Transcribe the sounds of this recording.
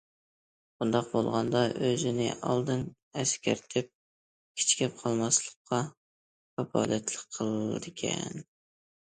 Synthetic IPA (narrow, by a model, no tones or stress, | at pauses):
b̥und̪ɑqbolˠʁɑnd̪ɑʔøzɪnɪ̰ʔɑ̰lˠd̪ɨn | ɛskʲʰæɾt̪ʰɪp̚ | kʲʰi̥t͡ʃʰi̥kʲʰɛp̚qʰɑlˠmɑslˠəqʰːɑ | kɑpʰɑ̰ːlɛt̪lˠəqʰːəlˠd̪ɪkʲʰɛ̰n